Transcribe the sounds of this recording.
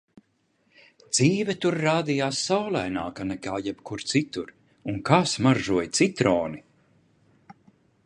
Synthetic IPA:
d̪z̥iːvʲɛt̪uɾːaːd̪ijaːsːawlˠajna̰ːkanɛkaːjɛbkuɾt̪sit̪uɾ | uŋkasmaɾʒuɔjt̪sit̪ɾɔːni

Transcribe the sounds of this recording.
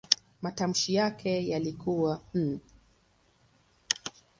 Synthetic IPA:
matam̩ʃijakʰɛjalikuwam̩

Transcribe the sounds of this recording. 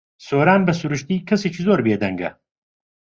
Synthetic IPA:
soːɾaːnbɐsuɾuʃt̪iːkʰɐseːt͡ʃiːzoːɾbeːd̪ɐŋɡɐ̰

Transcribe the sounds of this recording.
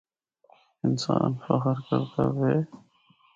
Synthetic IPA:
ɪnsaːnfəxəɾkəɾt̪aʋeː

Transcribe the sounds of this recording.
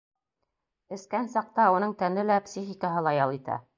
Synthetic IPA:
ɘ̆skænsɑq̚t̪ɑunɤɴt̪ænɘlæpsʲixʲɪkəɦɤlˠɑjɑlˠit̪æ̰

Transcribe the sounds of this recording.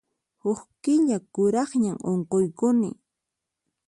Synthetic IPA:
hʊχkɪʎakʊɾɑχɲaŋoɴqojkʊnɪ̰

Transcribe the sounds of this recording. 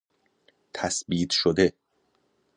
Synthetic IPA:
t̪ʰæsbiːt̪ʰʃod̪e̞

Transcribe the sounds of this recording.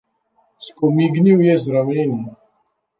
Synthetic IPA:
skumiɡniwjæzɾˤəminn

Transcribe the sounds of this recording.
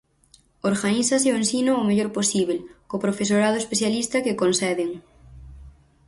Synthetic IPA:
oɾɣaniθas̬eʊensinoːmeʎoɾposiβ̞elkopɾofesoɾað̞oespeθjalist̪ɐkekonsɛðɪŋ

